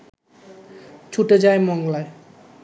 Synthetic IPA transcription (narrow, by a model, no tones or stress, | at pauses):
t͡ɕʰuʈed͡ʑaemɔŋlae